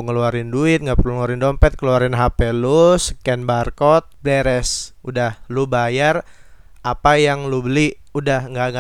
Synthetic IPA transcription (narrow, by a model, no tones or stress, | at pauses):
ŋəluaɾɪnduɪt̪̚ŋɡaʔpərluŋəluaɾɪndɔmpɛt̪̚kəluaɾɪnɦapɛlusəkɛnbarkɔt̪̚blɛɾɛsudahlubajar | apajaŋlubəli | udahŋɡaŋa